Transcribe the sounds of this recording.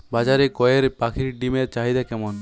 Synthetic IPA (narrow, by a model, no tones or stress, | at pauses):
bad͡ʒaɾekɔjeɾpakʰiɾɖimeɾt͡ʃaɦid̪ɛkɛmɔn